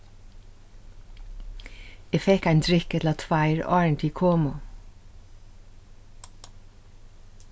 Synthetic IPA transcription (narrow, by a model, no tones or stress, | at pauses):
eːfɛkæɪnd̪ɹɪkɛt̪l̩ɑːt̪ʰʋæɪɹɑːɹɳt̪ʰiːkʰoːmʊ